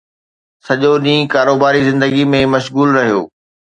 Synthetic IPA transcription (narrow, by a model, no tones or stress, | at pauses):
sɐʄoɗĩːkaːɾoːbaːɾizɪ̃nd̪əɡimẽmɐʃɣuːlɾɐɦijo̰ː